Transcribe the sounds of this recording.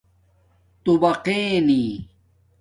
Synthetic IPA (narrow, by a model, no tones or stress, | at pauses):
t̪ubɐqeːniː